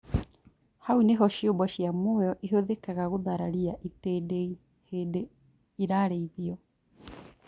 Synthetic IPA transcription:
hauneɦɔʃjombɔʃjamɔːjɔʔiɦoðekaɣaɣoðaɾaɾiaʔitedei | heːde | iɾaːɾeiðiɔ

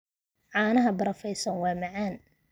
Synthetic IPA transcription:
ʕɑːnɐɦɐbɐɾɐfɛjsɐnwɑːmɐʕaːn

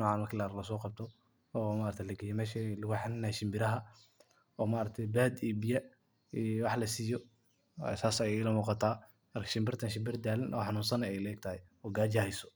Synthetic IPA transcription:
nɔːʕɑːnmɐkʰɪlaɾlɐs̬ɔːqɑb̚t̪ʰɔ | ɔːmaːɾɐkt̪ʰɛlɐɡɛjɛmɛːʃɛlʊɣʊħɑnɪnaːʃɪmbɪɾɐɦɐ | ɔːmaːɾɐk̚t̪ʰɛjbaːd̪iːbɪjɐ | ɛwɑħlɐsiːjɔ | saːsɐjɛɪlɐmuːqɑt̪ʰaː | mɐrkʰɐ̥ʃɪmbɪrt̪ʰɐnʃɪmbɪrd̪aːlɪnʔɔ̰ːħɑnuːnsɐnɛjlɛːɡ̚t̪ʰɐhɛɔːɡaːd͡ʒahɛsɔ̥

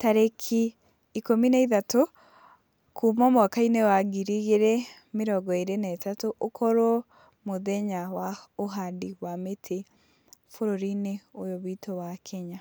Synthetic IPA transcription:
taɾekʰi | ikomineiðato | kʰumɔmwakainewaɡiɾiɣeɾe | meɾɔɡɔeɾenɛtatoʔokʰɔɾo | moðɛɲawaoɦadiwametʰe | foɾoɾineojoβitowakʰɛɲa

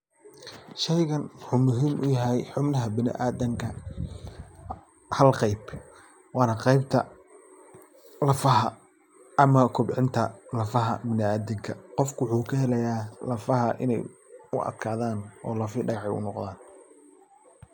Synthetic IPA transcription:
ʃɛjɣɐnwʊħʊːmʊɦiːmʔʊjɐɦɛjħʊbnɐɦɐbɪnɪ̰ʔaːðɐŋkʰɐ | hɐlqɑjb | wɑːnɐqɑjb̚t̪ʰɐ | lɐfɐɦɐ | ɐmɐkʰʊbʕɪnt̪ʰɐlɐfɐɦɐ̰bɪnɪaːðɪŋkʰɐqɔfkʰwħuːkʰɐhɛlɛjaːlɐfɐhɐʔɪ̰nɛ̰jʊʔɐ̰d̪kʰaːðaːnʔɔ̰ːlɐfiɖɐɣɑħɛjʊ̰nɔqd̪aːn

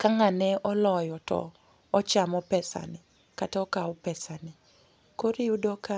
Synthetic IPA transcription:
kaŋanɛɔlɔjɔtɔ̰ | ɔt͡ʃamɔpɛsa̰nɪ | kataɔkaʊpɛsanɪ | koɾiudɔka

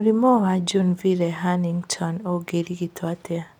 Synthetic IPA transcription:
ɾimɔad͡ʒunviɾɛɦaniŋtʰɔnoɡeɾiɡitʰwatɛa

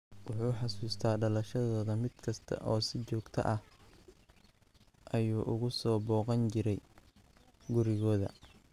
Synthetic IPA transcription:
wʊħuːħɑsuːst̪ʰaːɖɐlɐʃɐðɔːðɐmɪd̪̥kʰɐst̪ʰɐ̰ʔɔːsɪt͡ʃɔːɡt̪ʰɐ̰ʔɐh | ʔɐjuːʔʊɣʊsɔːbɔːqɑnt͡ʃɪɾɛj | ɡʊɾɪɣɔːðɐ̰

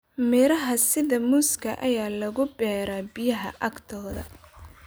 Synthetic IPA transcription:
mɪɾɐɦɐsɪðɐmuːskʰɐʔɐjaːlɐɣʊbɛːɾaːbɪjɐɦɐ̰ʔɐɡt̪ʰɔːðɐ̰

